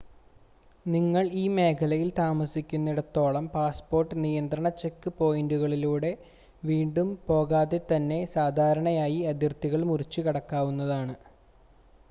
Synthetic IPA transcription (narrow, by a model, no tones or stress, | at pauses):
niŋːɐɭiːme̞ːkʰɐlɐjilt̪aːmɐsikʲːunːiɽɐt̪o̞ːɭɐmpaːspo̞ːrʈːɨnijɐnd̪ɾɐɳɐt͡ɕːe̞kːɨpo̞ːjinɖuɣɐɭiluːɽe̞ | ʋiːɳɖumpo̞ːɣaːðe̞t̪ɐnːe̞saːd̪ʱaːɾɐɳɐjaːjiɐd̪jɐrt̪iɣɐɭmurit͡ɕːɨkɐɽɐkːaːʋunːɐðaːɳɨ